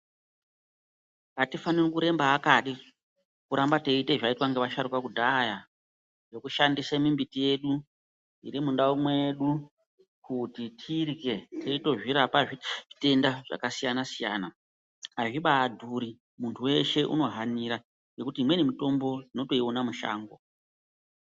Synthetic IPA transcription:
atifanirokuɾe̞mbaːkaɗi | kuɾambate̞ite̞ʐaitwaŋɡe̞ʋaʃaɾukakudʱaja | jo̞kuʃandisamimbitije̞ɗu | ḭɾimundaumwe̞ɗu | kutitʰirike̞tʰeito̞ʐiɾapaʐiʐite̞ndaʐ̥a̰kasijanasija̰ːna | aʐiɓaːdʱuɾi | muntʰuwe̞ʃe̞ʔṵno̞ɦaniɾa | je̞kutiːmwenemito̞mbo̞ino̞to̞ionamuʃa̰ːŋɡo̰

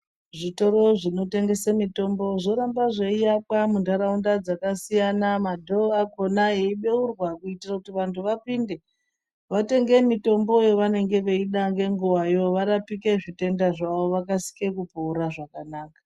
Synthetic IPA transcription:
ʐito̞ɾo̞ʐino̞te̞ŋɡe̞semito̞mbo̞ʐo̞ɾambaʐeijapwamundaɾaundad͡zakasijanamadʱo̞ako̞naɦeiɓe̞urwakuitirakutiʋantʰuʋapinde̞ | ʋate̞ŋɡe̞mito̞mbo̞jo̞ʋane̞ŋɡe̞ʋe̞iɗaŋɡe̞ŋɡuwajo̞ʋaɾapike̞ʐite̞ndaʐaʋo̞ʋakasi̥ke̞kupoːɾaʐakanaːkḁ

